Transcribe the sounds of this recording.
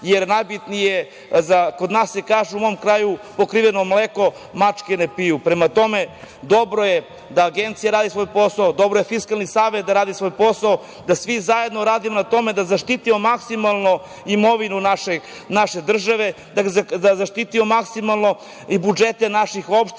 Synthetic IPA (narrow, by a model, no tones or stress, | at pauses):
jeɾnajbit̪nije | zako̞d̪naːsjekaːʒuumo̞omkɾaːjupo̞kɾiʋenomleko̞ | mat͡ʂkenepijupɾemat̪o̞me | d̪o̞bɾoje | d̪aːɡent̪sijaɾaːd̪isʋo̞ːjpo̞saod̪o̞bɾojefiskalˠnisaːʋe̞t̪̚d̪aɾaːd̪isʋo̞jpo̞sao | d̪asʋizaje̞d̪no̞ɾaːd̪imonat̪o̞me̞d̪azaʃt̪it̪imomaksimalˠno | imo̞ʋinunaʃe | naʃe̞d̪r̩ʒaʋe̞ | d̪aazaʃt̪it̪imomaksimalˠno̞ | ibud͡ʒet̪enaʃixo̞pʃt̪